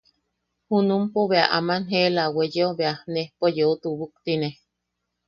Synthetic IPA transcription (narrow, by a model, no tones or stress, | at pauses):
hunumpoβeaʔamanɦelawejeoβeanehpojout̪uβuk̚t̪ine